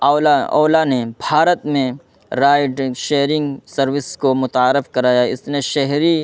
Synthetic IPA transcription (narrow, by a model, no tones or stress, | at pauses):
aɔːlanebʱaːɾət̪mẽ | ɾaːɪɖʃeːɾɪ̃ŋɡsɐɾwɪskomʊt̪aːɾɪfkɐɾaːjaɪ̰snẽʃɛɦɾi